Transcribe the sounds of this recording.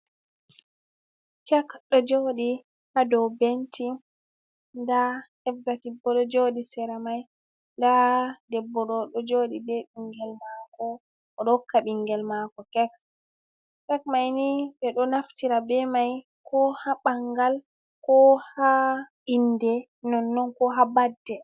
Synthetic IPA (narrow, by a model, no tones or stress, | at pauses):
kɛkɗɔd͡ʒoɗi | hadɔwbenti | ndahɛfzatibːɔɗɔd͡ʒodisɛɾamaj | ndadɛbːɔɗɔɗɔd͡ʒoɗibɛɓiŋɡɛlmakɔː | ɗɔkːaɓiŋɡɛlmakɔkɛk | kɛk̚majnibɛɗɔnaftiɾabɛmaj | kʰɔhaɓaŋɡal | kɔha | indɛ | nɔnːɔnkɔɦabadːɛ